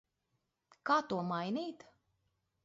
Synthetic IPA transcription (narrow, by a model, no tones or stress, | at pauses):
kaːt̪uɔmajniːt̪